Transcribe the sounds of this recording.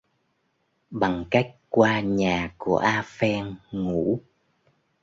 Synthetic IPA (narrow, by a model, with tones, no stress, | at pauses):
ɓa˨˩ŋka˦˥jk̟̚kwaː˧ɲaː˨˩kṵ˧˩əʔaː˧fɛ˧ŋːu˧˥